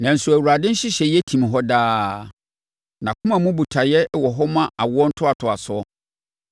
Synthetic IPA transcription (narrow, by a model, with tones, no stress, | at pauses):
nã˨n̩˨sʊ˨æ˨wu˨ɾa˨dɪ̃˦n̩˦ɕɪ˦ɕɛ˨jɛ˦tʰĩ˨m˨ɦɔ˦daː˦ | nã˨kʰʊ̃˦mã˨mũ˦bu˨tʰa˨jɛ˦wɔ˨ɦɔ˦mã˦ʔa˨wʊ˦ɔ˦n̩˦tʰʊ˦a˨tʰʊ˨a˨sʊ˦ɔ˦